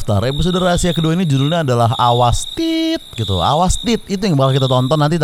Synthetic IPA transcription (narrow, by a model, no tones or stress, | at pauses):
t̪a̰ɾep̬is̬udərasiakəduainid͡ʒudulɲaːdalaɦawast̪it̪̚ɡit̪ṵa̰wast̪it̪̚it̪ujaŋbawakit̪at̪ɔnt̪ɔnːant̪it̪